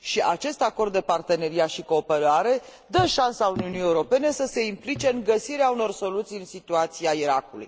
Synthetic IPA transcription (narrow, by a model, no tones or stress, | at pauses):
ʃiʔat͡ʃe̞st̪ako̞rd̪ːe̞part̪e̞ne̞ɾiaʃiko̞ːpe̞ɾaɾe̞ | d̪əʃansauniunije̞uɾo̞pe̞ne̞səse̞implit͡ʃe̞ŋɡəsiɾeauno̞rso̞lut̪sijɨnsit̪uat̪sijaiɾakulṵj